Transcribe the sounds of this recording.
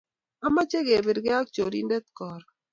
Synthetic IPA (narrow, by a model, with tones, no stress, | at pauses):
a˦ma˦t͡ʃe˦ɡe˨bɪ˨ɾɡɪ˦a˦k̚t͡ʃo˨ɾḭ˦ndɛ˦t̪̚kɔ˨ɾ